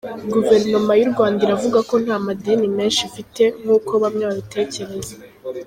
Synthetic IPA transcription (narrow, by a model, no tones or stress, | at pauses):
ɡuve̞ɾno̞majuɾɡwaːndiɾavuɡako̞n̥haːmadenime̞ːnʃifite̞ŋ̥uːkʰo̞βamɲoaβitʰe̞ːce̞ɾe̞za